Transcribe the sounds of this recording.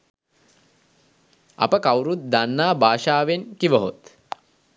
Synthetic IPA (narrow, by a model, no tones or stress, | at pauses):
ɐ̰pəkawɾut̪̚d̪anːaːbaːʃaːʋenkiʋəɦot̪